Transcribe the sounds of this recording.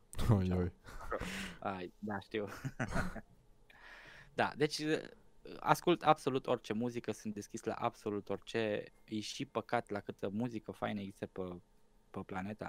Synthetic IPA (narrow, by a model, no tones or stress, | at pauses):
ojoj | ajd̪aʃt̪iw | d̪a̰d̪e̞t͡ʃʲə | a̰skult̪abso̞lut̪o̞rʲt͡ʃe̞muzikəsunt̪d̪e̞skʲisla̰ʔab̥so̞lut̪o̞rʲt͡ʃe̞jeʃipəkat̪lakɨt̪əmuzikəfa̰jnəeɡzist̪əpə | pəplane̞t̪a̰